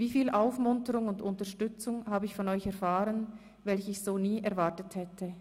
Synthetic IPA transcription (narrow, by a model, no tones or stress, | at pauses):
viːfiːlʔaʊfmʊntəʁʊŋʊndʊntəɐʃtʏt͡sʊŋhaːbəɪçfɔnɔʏçɛɐfaːʁən | vɛlçəɪçz̥oːniːʔɛɐvaɐtəthɛtʰə